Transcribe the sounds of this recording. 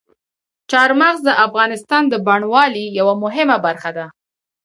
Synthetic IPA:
t͡ʃɑɾmaɣzd̪əʔafɣɑnɪst̪ɑnd̪əbaɳwɑlijawamʊɦɪmabaɾxad̪a

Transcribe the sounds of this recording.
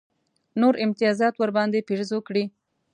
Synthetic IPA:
noɾʔɪmt̪ɪjɑzɑt̪wəɾbɑnd̪epeʐzokɽi

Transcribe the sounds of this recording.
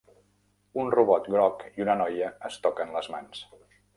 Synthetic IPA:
unruβɔt̪ɡɾɔkiunənɔjəəst̪ɔkənləzmans

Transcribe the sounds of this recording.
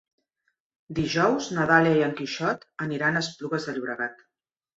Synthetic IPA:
d̪iʒɔwznəðaliəiəŋkiʃɔt̪əniɾanəspluɣəzðəʎiβɾəɣat̪

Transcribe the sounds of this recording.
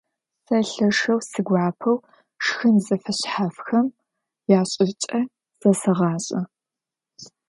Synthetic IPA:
sɐɬɐʂɐwsɨɡʷɑːpʰɐw | ʂxɨnzɐfɐɕħafxɐm | jaːɕʼɪt͡ʃʼɐ | z̥ɐsɐʁɑːɕʼɐ

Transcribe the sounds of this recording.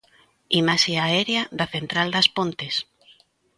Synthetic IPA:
imaʃiaɛɾjaðɐθent̪ɾald̪ɐspont̪es

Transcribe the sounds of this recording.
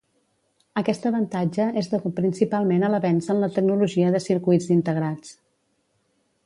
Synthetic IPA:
əkɛst̪əβənt̪ad͡ʒəezðəupɾinsipalˠmenələβɛnsənlət̪əknuluʒiəðəsiɾkujd͡zint̪əɣ̞ɾat͡s

